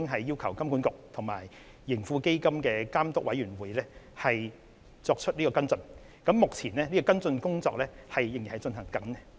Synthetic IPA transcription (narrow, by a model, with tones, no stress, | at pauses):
ŋɦɐ˨jːiː˥wkʰɐ˨˩wkɐ˥mkuː˨˥nkʊ˨k̚t̪ʰʊ˨˩ŋma̰ː˨˩jː | ɪ˨˩ŋfuː˧ke˥jkɐ˥mkɛː˧kaː˥mt̪ʊ˥k̚wɐ˨˥jɥyː˨˩nwuː˨jlɛ˥hɐ˨j | t͡sɔː˧k̚t͡ʃʰɵ˥t̚liː˥kɔː˧kɐ˥nt͡sɵ˧n | kɐ˨˥mːʊ˨k̚t͡sʰiː˨˩nlɛː˥niː˥kɔː˧kɐ˥nt͡sɵ˧nkʊ˥ŋt͡sɔː˧k̚lɛː˥hɐ˨jːŋji˨˩hɐ˨jt͡ʃɵ˧nhɐ˨˩ŋkɐ˨˥ŋɛ˧